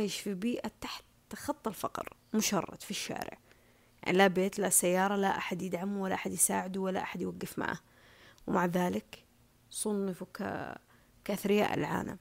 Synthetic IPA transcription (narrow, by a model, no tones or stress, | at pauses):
jɪʃfibiːʔat̪aħt̪ː | xɑt̪ˤːɪlfɑ̰qɾmʊʃɑ̰rˤːɑ̰t̪fiʃːa̰ːɾɪ̰ʕ | ja̰ʕnilabeːt̪lasajːɑːɾˤɑlaʔaħad̪jɪd̪ʕamuwalːaʔaħad̪jɪsaːʕɪd̪uwalːaʔaħad̪jwaɡːɪfma̰ʕh | wmaʕðaːlɪk | sˤʊnːɪfuka̰ | kaʔθɾɪja̰ːʔɪ̰lʕa̰ːna̰m